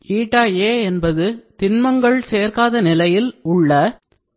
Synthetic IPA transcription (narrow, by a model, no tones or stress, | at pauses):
iːʈːaːjeːɛnbɐðɯt̪ɪnmɐŋɡɐɭseːrkaːðɐnɪlɐjɪlʊɭːɐ